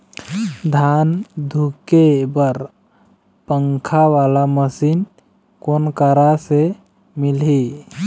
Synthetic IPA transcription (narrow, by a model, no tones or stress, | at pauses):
d̪ʱand̪ʱukebəɾ | pəŋkʰaʋalaməsin | konkəɾase | milɦi